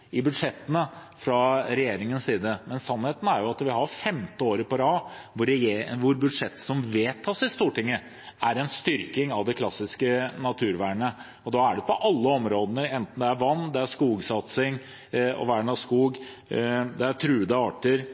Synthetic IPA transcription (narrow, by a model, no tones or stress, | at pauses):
ɪbʉd̪ʂɛt̪ːənə | fɾɑɾɛjeːɾɪŋənsiːd̪əmɛnsɑnːheːt̪ən̩æɾjʊɑt̪ʋɪɦɑɾfɛmt̪əoːɾəpɔɾɑː | ʋʊɾʋʊɾbʉd̪ʂɛt̪ːsɔmʋeːt̪ʰːɑːsɪst̪uːʈɪŋːə | æɾɛnst̪ʏɾkɪŋɑʋd̪ɛkʰlɑsːɪskənɑt̪ʰʉːɾʋæːɳə | ɔd̪ɑæɖɛpʰɔʔɑlːəɔmɾoːd̪ənəɾɛnt̪n̩d̪ɛæɾʋɑnːd̪ɛæʂkuːɡsɑt̪sɪŋ | ɔ̰ʋæːɳɑskuːɡ | d̪ɛæʈʰɾʉːd̪əɑːʈəɾ